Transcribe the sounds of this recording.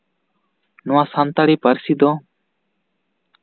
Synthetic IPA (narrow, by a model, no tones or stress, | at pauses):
nʊwãːsant̪aɽiːpəɾsiːd̪o